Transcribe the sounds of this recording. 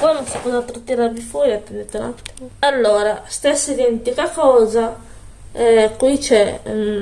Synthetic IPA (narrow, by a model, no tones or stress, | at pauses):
pɔjnonsi̥pɔzat̪ːɾot̪ːiɾaɾvifwɔːɾiat̪ːend̪ɛt̪ena̰t̪ːimoalːoːɾast̪esːed̪ent̪ikakɔːza | ɛkwit͡ʃɛ